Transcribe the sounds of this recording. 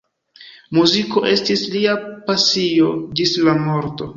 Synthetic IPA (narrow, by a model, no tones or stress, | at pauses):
muziko̞ʔe̞stisliapasio̞d͡ʒislamo̞ɾto̞